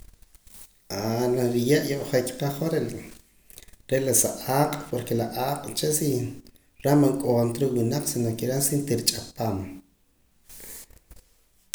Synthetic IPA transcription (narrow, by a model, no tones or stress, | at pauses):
ʔanaɾijaʔjoʔχekʲqaχaɾe | ɾelasaʔaːqʼpoɾkelaʔaːqʼt͡ʃesi | ɾamaŋkʼoːnt̪ɾiwinaqsinakiɾansint̪iɾit͡ʃʼat̪am